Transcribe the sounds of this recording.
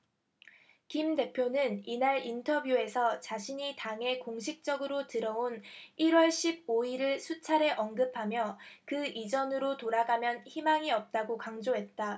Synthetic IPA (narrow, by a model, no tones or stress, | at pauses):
kimde̞pʰjonɯninaɾintʰʌbjue̞sʰʌt͡ɕaɕʰiɲitaŋe̞koŋɕʰik̚t͡ɕ͈ʌɡɯɾotɯɾʌoniɾwʌɭɕʰib̚oiɾɯɭsʰut͡ɕʰaɾe̞ʔʌnɡɯpʰamjʌkɯʔid͡ʑʌnɯɾotoɾaɡamjʌnçimaŋiʌp̚t͈aɡokaŋd͡ʑoɦe̞t̚t͈a